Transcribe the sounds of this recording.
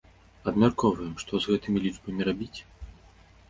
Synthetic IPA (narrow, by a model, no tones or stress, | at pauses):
ɐd̪mʲarkɔvɐjɛmʂt̪ɔzɣɛt̪ɨmʲilʲit͡ʂbɐmʲɛɾabʲit͡sʲ